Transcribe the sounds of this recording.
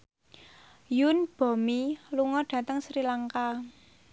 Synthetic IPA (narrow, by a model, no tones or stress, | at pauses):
junb̥ɔ̤miluŋɔɖ̥ä̤t̪əŋsɾilaŋka